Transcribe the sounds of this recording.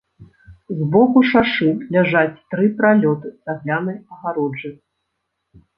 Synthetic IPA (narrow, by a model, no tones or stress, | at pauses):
zbɔkuʂaʂɨlʲaʐat͡sʲt̪ɾɨpɾalʲɔt̪ɨz̥aɣlʲanɨjɐɣaɾɔd͡ʐɨ